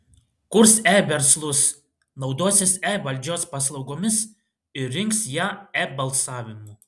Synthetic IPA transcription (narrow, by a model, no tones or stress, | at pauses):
kʊɾsæʋʲɛɾslˠʊs | nɒʊd̪oɔsʲɪsɛʋɐlʲd͡ʒʲoːspɑs̬lˠɐʊɡoːmʲɪs | ɪɾʲɪŋksjaːɛbɐlˠsɑːʋʲɪmʊ